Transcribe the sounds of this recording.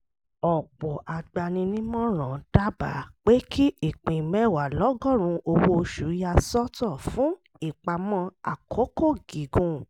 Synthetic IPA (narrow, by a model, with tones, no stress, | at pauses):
ɔ˨k͡pɔ˨ʔa˨ɡ͡ba˧nĩ˧nĩ˦mɔ̃˦ɾ̃ã˨d̥a˦ba̰˨k͡pe˦kʰi˦ʔi˦˨k͡pĩ˨mɛ˦˨wa˨lɔ˨˦ɡɔ˦˨ɾ̃ũ˧ʔo˧wo˧ʃu˨˦ja˧sɔ˦tɔ˦˨fũ˨˦ | i˦˨k͡pa˧mɔ̃˧a̰˨kʰo˨˦ko˦˨ɡi˨˦ɡũ˧˨